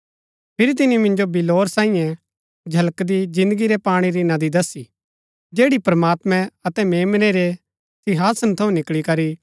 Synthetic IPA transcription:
pʰɪɾit̪ɪnimɪ̃nd͡ʒobɪloːɾsãːijɛ̃ | d͡ʒʱɐləkd̪id͡ʒɪ̃nd̪əɡiɾepaːɽ̃iɾinɐd̪id̪ɐsi | d͡ʒeːɽipɾmaːt̪mɛ̃ɐt̪ɛmeːmneɾe | sɪɦaːsənt̪ʰɐũnɪkɭikɐɾi

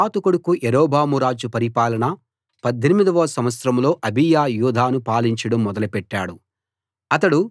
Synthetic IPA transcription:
aːt̪ukuɽukuʔeɾoːbʱaːmuɾaːd͡ʒupɐɾipaːlɐɳɐ | pɐd̪ʱːenimid̪ɐʋɐːsɐmʋɐt̪sɾɐmlo̞ːʔɐbʱijaːjuːd̪ʱaːnupaːliɲt͡ʃɐɽɐmːɔd̪ɐlɐpɛʈːaːɽu | ɐt̪̬ɐɽu

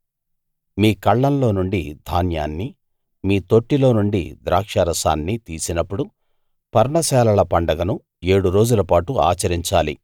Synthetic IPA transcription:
miːkɐɭːɐnlo̞ːnuɳɖid̪ʱaːnjaːnːi | miːt̪o̞ʈːilo̞ːnuɳɖḭd̪ɾaːkʂɐːɾɐsa̰ːnːit̪iːsinɐpːuɽu | pɐɾɳɐsɛːlɐlɐpɐɳɖɐɡɐnu | e̞ːɽuɾo̞ːd͡ʒulɐpaːʈua̰ːt͡ʃɐɾiɲt͡ʃaːlḭ

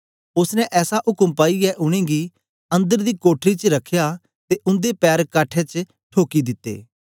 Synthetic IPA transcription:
ʊsnɛ̃ʔɛːsaɦʊkəmpaːiɛʔʊɽ̃ẽːɡi | ɐ̃nd̪əɾd̪iːkoːʈʰɾit͡ʃɾɐkʰːja | t̪eʔʊ̃nd̪epɛːɾkaːʈʰɛt͡ʃ | ʈʰoːkid̪ɪt̪ːḛː

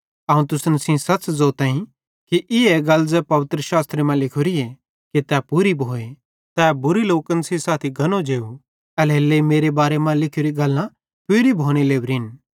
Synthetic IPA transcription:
aːũt̪ʊsnsĩsɐt͡ʃzoːt̪ãːĩ | kiʔɪeɡɐlzɛpɐʋɪt̪ɾəʃaːst̪ɾemãlɪkʰʊɾie | kit̪ɛpuɾibʱoːe | t̪ɛːbʊɾiloːkənsisaːt̪ʰiɡʱɐnod͡ʒeːu | ɛlɦelːeimeːɾebaːɾemãlɪkʰoɾiɡɐlːã | pʊɾibʱoːɽ̃eleːʋɾin

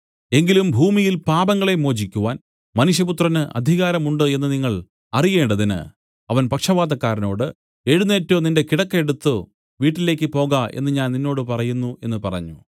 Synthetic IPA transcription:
e̞ŋɡilumbʱuːmijilpaːbɐŋɡɐɭe̞mo̞ːd͡ʑikʲːuʋaːn | mɐnuʂ̬jɐput̪rɐnɨʔɐ̰d̪ʱiɣaːɾɐmuɳɖɨe̞nːɨniŋːɐɭ | ɐrije̞ːɳɖɐðinɨ̰ | ɐʋɐnpɐkʂɐʋaːd̪ɐkːaːɾɐno̞ːɽɨ | e̞ɻunːe̞ːtːoːninde̞kiɽɐkːe̞ɽut̪ːɨ | ʋiːʈːile̞ːkʲːɨpo̞ːɣae̞̰nːɨɲaːnninːo̞ːɽɨpɐrɐjunːue̞nːɨpɐrɐ̰ɲːu

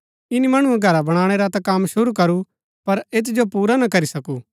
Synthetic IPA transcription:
ɪnimɐɽ̃uẽɡʱɐɾabɐɽ̃aːɽ̃eɾat̪ɐ̃kɐmːʃʊɾukɐɾu | pɐɾeːt̪̬d͡ʒopuːɾanɐkɐɾisɐkuː

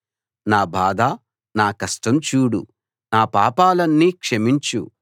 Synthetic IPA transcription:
naːbʱaːd̪aː | naːkɐsʈɐmt͡ʃuːɽṵ | naːpaːpaːlɐnːiːkʂemiɲt͡ʃṵ

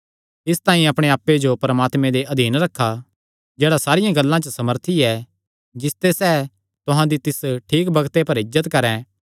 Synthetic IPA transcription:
ɪst̪ãːĩɐpɽ̃eaːpːed͡ʒopɐɾmaːt̪mẽd̪eʔɐd̪ʱiːnɾɐkʰːa | d͡ʒeːɽasaːɾɪjãɡɐlːãt͡ʃəsɐməɾt̪ʰiɛ | d͡ʒɪst̪esɛː | t̪ʊɦãd̪it̪ɪsʈʰiːkbɐɡt̪epɐɾɪzːət̪kɐɾɛ̃

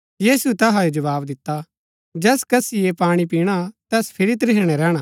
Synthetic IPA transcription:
jiːsut̪ɛɦajod͡ʒɐʋaːbd̪ɪt̪ːa | d͡ʒɛːskɐsijepaːɽ̃ip̬iːɽ̃at̪ɛːspʰɪɾit̪ɾɪɦɽ̃ɛɾɛːɽ̃a

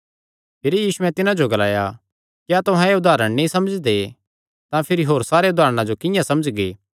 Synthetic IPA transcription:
pʰɪɾijiːsʊɛ̃t̪ɪnãd͡ʒoɡɐla̰ːja | kat̪ʊɦãeʊd̪ʱaːɾəɽ̃nĩsɐməd͡ʒd̪e | t̪ãpʰɪɾiɦoːɾsaːɾeʊd̪ʱaːɾəɽ̃ãd͡ʒokɪ̃jãsɐməd͡ʒɡeː

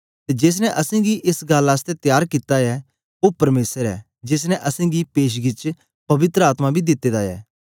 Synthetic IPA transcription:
t̪ed͡ʒeːs̬nɛ̃ʔɐsẽɡiʔɪsɡaːlaːs̬t̪ɛt̪jaːɾkit̪aɛ | opɐɾmeːsəɾɛ̰ː | d͡ʒes̬nɛ̃ʔɐsẽɡipeːʃ̬ɡɪt͡ʃ | pɐʋɪt̪ɾəaːt̪mabʱid̪ɪt̪ːeːd̪aɛ̰ː

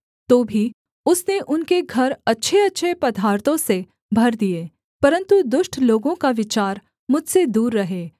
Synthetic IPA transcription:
t̪oːbʱi | ʊsneʔʊnkeɡʱɐɾɐtːʃʰeɐtːʃʰepɐd̪ʱaːɾt̪õse | bʱɐɾd̪ieː | pɐɾə̃nt̪ud̪ʊʃʈʰloːɡõkaʋɪt͡ʃaːɾ | mʊd͡ʒʱsed̪uːɾːɐɦeː

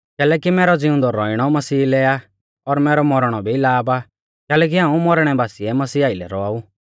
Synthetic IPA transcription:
kɛːlɛːkimɛːɾɔd͡zɪũnd̪ɔɾɔɪɽ̃ɔmɐsiːlɛa | ɔɾmɛːɾɔmɔɾɽ̃ɔbʱilaːba | kɛːlɛːk̬iɦãːũmɔɾɽ̃ɛbaːsiɛmɐsiːaːɪlɛ̰ɾɔaːu

